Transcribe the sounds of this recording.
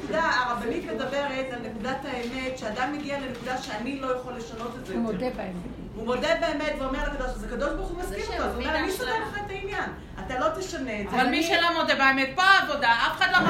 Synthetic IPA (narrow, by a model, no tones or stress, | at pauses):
kud̪aaʁabanit̪me̞d̪abe̞ʁet̪alne̞kud̪ataeme̞tʃead̪amːeɡiale̞nekud̪aʃeanilo̞jaχolːe̞ʃano̞t̪etzemod̪ebaeme | vumo̞d̪ebeemet̪veomelakad̪oʃzeakad̪oʃbaʁuχumaskiʁooveomeaniʃt̪oteleχaet̪ainjan | at̪alo̞t̪eʃaneːzavalmiʃelomod̪ebaemet̚poaːvodaafeχadlo